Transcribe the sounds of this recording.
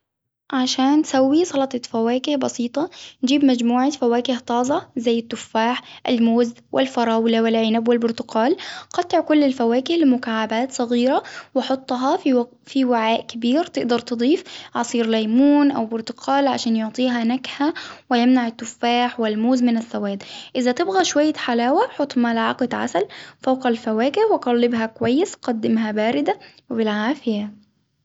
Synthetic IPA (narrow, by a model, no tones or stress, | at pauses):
ʕaʃaːntsawːisˤɑlɑt̪ˤɑfawaːkɪhbɑsiːt̪ˤɑnd͡ʒiːbmad͡ʒmuːʕafawaːkɪht̪ˤɑːzˤɑzajːɪt̪ːʊfːaːħʔalmoːzwʔɪ̰lfɑɾˤɑːwlawɪlʕɪnabwɪlbʊɾt̪ʊqɑːlqɑt̪ːɪʕkʊlːɪlfawaːkɪhlɪmʊkaːʕːabaːt̪sˤɑɣiːɾawɑħʊt̪ˤːɦɑ | fiwɪʕaːʔkabiːɾt̪ɪʔd̪ɑɾˤt̪ɨd̪ˤiːfʕɑsˤiːɾlajmuːnʔawbʊɾt̪ʊ̥qʰɑːlʕa̰ʃaːnjoʕt̪ˤiːɦanakhawɪjɪmnaʕɪt̪ːʊfːaːħwɪlmuːzmɪnaθːawaːd̪ʔɪzat̪ɪbɣaʃwajːaħalaːwaħot̪ˤːmalʕɑqɑd̪ʕa̰salfawqalfawaːkɪhwɪɡɑlːɪbɦakʊwajːɪsqɑd̪ːɪmɦabaːɾɪd̪awɪbɪlʕaːfɪja